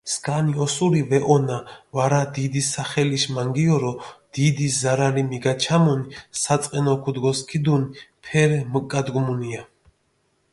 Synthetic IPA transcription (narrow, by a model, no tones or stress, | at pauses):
skʼaniɔsuɾivɛʔɔnavaɾad̪id̪isaχɛliʃmaŋɡiɔɾɔd̪̥id̪izaɾaɾimiɡat͡ʃʰamunisat̪sʼqʼɛnɔkʰud̪ɡɔskʰid̪unipʰɛɾməkʼad̪ɡmunia